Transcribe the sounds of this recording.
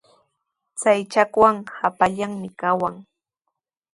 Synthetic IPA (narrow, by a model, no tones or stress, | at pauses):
t͡sajt͡ʃakwaŋhapaʎaŋmɪkawaŋ